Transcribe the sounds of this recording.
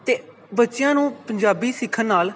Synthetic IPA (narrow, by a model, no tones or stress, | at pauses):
t̪eː | bətːʃɪjãːnũːpəɲd͡ʒaːbiːsɪkʰənːaːl